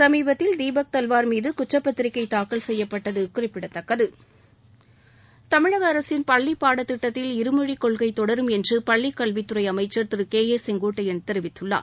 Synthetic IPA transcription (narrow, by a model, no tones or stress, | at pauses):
sɐmiːbɐt̪ːɪld̪iːbɐk̚t̪ɐlʋaːɾmiːðɯkʊt͡ʃːrɐpːɐt̪ːɪɾɪkːɐɪt̪ːaːkːɐlsɛjːɐpːɐʈːɐðɯkːɯʊɾɪpːɪɽɐt̪ːɐkːɐðɯ | t̪ɐmɪɻɐɣɐːɾɐsɪnpɐɭːipːaːɽɐt̪ːɪʈːɐt̪ːɪlɪɾɯmɯɻikːɔɭɣɐɪt̪ɔɽɐɾɯmɛndrɯpɐɭːikːɐɭʋit̪ːɯɾɐɪɐmɐɪt͡ʃːɐɾt̪ɪɾɯkeːjeːsɛŋɡoːʈːɐjɪnt̪ɛɾɪʋɪt̪ːɯɭːa̰ːɾ